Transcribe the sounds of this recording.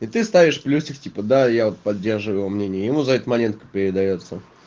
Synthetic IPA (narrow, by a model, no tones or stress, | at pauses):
it̪ɨst̪avʲɪʂplʲusʲɪxtʲipəd̪ajavot̪̚pɐdʲːe̞rʐɨvʊjɪvomnʲenʲɪjəjɪmuzɐɛt̪əmɐnʲe̞nt̪̚kə̥pʲɪɾʲɪd̪ɐjo̞t̪sə